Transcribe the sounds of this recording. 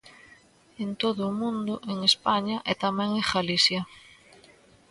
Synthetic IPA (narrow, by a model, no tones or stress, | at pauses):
ent̪oðʊːmũnd̪ʊʔeŋespaɲɐʔɛt̪amɛ̃ŋeɣalisjɐ